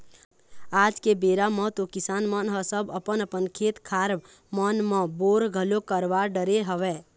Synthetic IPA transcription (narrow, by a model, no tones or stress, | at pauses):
ad͡ʒkebeɾamə̃t̪okisanmənɦəsəbəpənəpənkʰet̪kʰaɾb | mənmə̃boɾɡʱəlokəɾʋaɾɖəɾeɦəʋɛ